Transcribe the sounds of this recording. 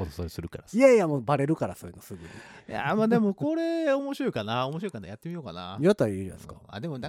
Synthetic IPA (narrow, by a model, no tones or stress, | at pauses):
od̪osoɾesɨɾɯ̟kaɾaiajamoːbaɾe̞ɾɯ̟kaɾasoːjinosɨɡɯ̟ɲija̰mad̪e̞mo̞ko̞ɾe̞omo̞ɕiɾo̞ikanaomo̞ɕ̬iɾo̞ikana̰jat̪ːe̞mʲijo̞ka̰na̰jat̪ːaiɾã̰sɨ̥kḁa̰d̪emonã